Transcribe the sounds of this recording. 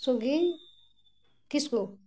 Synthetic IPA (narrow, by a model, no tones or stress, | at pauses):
soɡi | kisko